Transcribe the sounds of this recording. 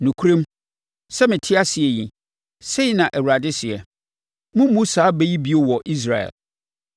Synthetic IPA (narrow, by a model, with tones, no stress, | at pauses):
nũ˨kʰu˦ɾẽ˦m | sɛ˦mɪ̃˨tʰɪ˦a˦sɪ˨ɛ˨ji˨ | se˦i˦nã˨ʔɛ˨wu˨ɾa˨dɪ˦sɪ˨ɛ˨ | mʊ̃˦mũ˦sa˨˦be˦ji˦bi˦o˦wɔ˨ʔi˦s̬ɾa˨ɛ̰˨l